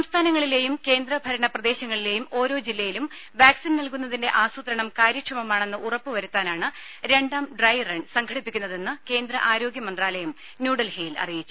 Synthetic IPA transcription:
sɐmst̪ʰaːnɐŋːɐɭile̞ːjumke̞ːnd̪rɐbʱɐɾɐɳɐprɐd̪e̞ːɕɐŋːɐɭile̞ːjumo̞ːɾo̞ːd͡ʑilːɐjilumʋjaːksinnɐlkun̪ːɐðinde̞ʔaːsut̪ɾɐɳɐmkaːɾjɐkʂɐmɐmaːɳe̞nːɨʔurɐpːɨʋɐɾut̪ːaːnaːɳɨ | ɾe̞ɳɖaːmɖrɐjreɳɖsɐŋɡʰʱɐɽipːikʲːunːɐðe̞nːɨke̞ːnd̪ɾɐʔaːɾo̞ːɡjɐmɐnd̪raːlɐjɐm | njuːɽɐlhejlɐ̰rijit͡ɕːu̥

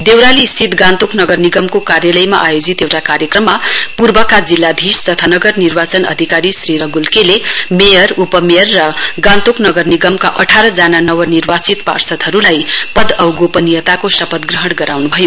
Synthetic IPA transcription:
d̪ewɾaliːst̪ʰit̪ɡãnt̪uknʌɡʌrniɡʌmkokaɾjalʌjma̰ʔajod͡zit̪jewʈakaɾjʌkrʌmːapurbʌkad͡zilːad̪ʱist̪ʌt̪ʰanʌɡʌrnirbat͡sʌnʌ̰d̪ʱikaɾisriɾʌɡulkelemejʌɾupʌmejʌrːʌɡãnt̪uknʌɡʌrniɡʌmkaʔʌʈʰaɾʌd͡zananʌwʌnirbat͡sit̪pa̰rsʌt̪ɦʌɾulajpʌd̪ʌwɡopʌnijʌt̪akosʌpʌt̪ɡrʌɦʌɽɡʌɾawnubʱʌjo

